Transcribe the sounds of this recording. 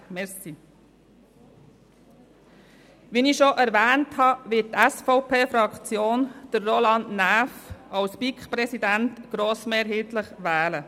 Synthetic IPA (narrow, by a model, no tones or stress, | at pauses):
mɛɾsi | ʋiːniʃoʔæɾʋɛːnthɑʋɪt̚tɛsfɔʊpʰeːfɾɑkt͡sjoːnd̥ərːolɑndnæːfɑlspikχpɾɛsidæntɡ̥ɾoːsmeːɾɦɪːtləχʋɛːlə